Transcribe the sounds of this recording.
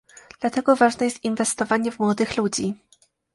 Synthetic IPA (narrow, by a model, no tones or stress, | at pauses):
d̪̥lat̪ɛɡɔvaʐnɛjɛst̪invɛst̪ɔvaɲɛvmwɔd̪ɘxlud͡ʑi